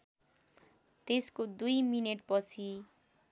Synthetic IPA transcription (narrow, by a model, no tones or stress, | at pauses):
t̪eskod̪ujmineʈpʌt͡sʰi